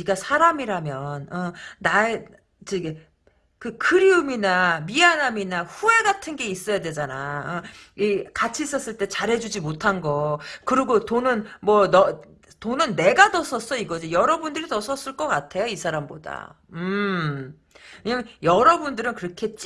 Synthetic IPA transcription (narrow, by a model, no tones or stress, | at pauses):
iɡasʰaɾamiɾamjʌnʌnae | t͡ɕiɡe | kɯkʰɯɾiuminamianaminaɸue̞ɡatʰɯnɡe̞is͈ʌjadwe̞d͡ʑanaʌikat͡ɕʰiːs͈ʌs͈ɯɭt͈e̞t͡ɕaɾɦe̞d͡ʑud͡ʑimotʰanɡʌkɯɾiɡotonɯnmwʌnʌ | tonɯnːe̞ɡatʌs͈ʰʌs͈ʌiɡʌd͡ʑijʌɾʌbundɯɾitʌsʰʌs͈ɯɭk͈ʌk͈atʰe̞joisʰaɾamboda̰ | ɯ | kɲamjʌɾʌbundɯɾɯnkɯɾʌkʰe̞t̚t͡ɕ͈i